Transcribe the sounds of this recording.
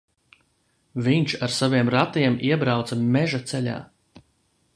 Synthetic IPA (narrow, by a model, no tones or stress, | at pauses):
viɲt͡ʃaɾsaviɛmɾat̪iɛmiɛbɾawt̪samɛʒat̪sɛʎʲa̰ː